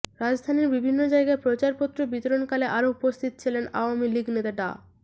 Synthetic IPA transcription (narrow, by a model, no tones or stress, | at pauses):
ɾad͡ʑd̪ʱaniɾbibʱinːod͡ʑaeɡaepɾot͡ɕaɾpot̪ːɾobit̪oɾonkaleʔaɾoupost̪ʰit̪ot͡ɕʰilena̰oamiliɡnet̪aɖa̰